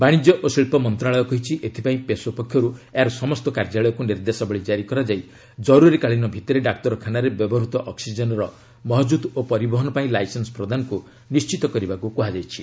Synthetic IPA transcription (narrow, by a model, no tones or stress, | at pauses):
baɽ̃id͡ʒjɔʔosiɭpɔmɔnt̪ɾaɭɔjɔkɔɦit͡ʃʰiʔet̪ʰi̥paĩpesupekʰːjɔɾueaɾɔsɔmɔst̪ɔkaɾd͡ʒaɭɔjɔkuniɾd̪esɔbɔɭid͡ʒaɾikɔɾad͡ʒaij | d͡ʒɔɾuɾikaɭinɔbʱit̪ɔɾeɖak̚tɔɾɔkʰanaɾebjɔbɔɾut̪ɔʔɔksid͡ʒɔnɔɾɔ | mɔɦɔd͡ʒud̪opɔɾibɔɦɔnɔpaĩlajsensɔ̥pɾɔd̪ʱanɔku | nist͡ʃit̪ɔkɔɾibakukuɦad͡ʒajt͡ʃʰi